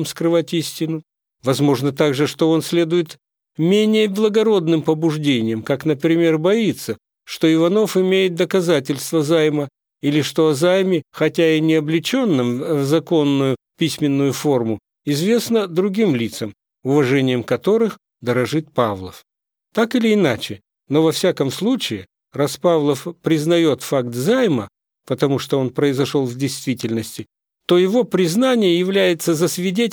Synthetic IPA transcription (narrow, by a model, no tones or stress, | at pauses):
mskɾɨvatʲisʲtʲɪnʊ | vɐzmo̞ʐnət̪aɡʐɨʂt̪o̞onsʲlʲe̞d̪ʊjɪt̪ | mʲenʲɪjəblˠəɡɐɾo̞d̪nɨmpəbʊʐdʲenʲɪjəmkakn̪əpɾʲɪmʲe̞rbɐit̪sə | ʂt̪o̞ɪvɐno̞fɪmʲejɪt̪̚d̪əkɐzatʲɪlʲst̪vəzajmə | ilʲɪʂt̪o̞ɐzajmʲɪxɐtʲaɪnʲɪɐblʲɪt͡ɕo̞nːɨmvzɐko̞nːʊjʊ | pʲisʲmʲɪnːʊjʊfo̞rmʊ | ɪzvʲe̞snəd̪ɾʊɡʲimlʲit̪səm | ʊvɐʐɛnʲɪjəmkɐt̪o̞ɾɨx | d̪əɾɐʐɨt̪̚pavlˠə̰f | t̪akɨlʲɪːnat͡ɕɪ | no̞vɐfsʲakəmslˠut͡ɕɪɪ | rɐspavlˠəfpɾʲɪznɐjo̞t̪fakt̪zajmə | pət̪ɐmuʂt̪oo̞npɾəɪzɐʂo̞lˠvdʲɪjst̪vʲitʲɪlʲnəsʲtʲɪ | t̪o̞jɪvo̞pɾʲɪznanʲɪjəjɪvlʲæjɪt̪səzəsʲvʲɪdʲetʲ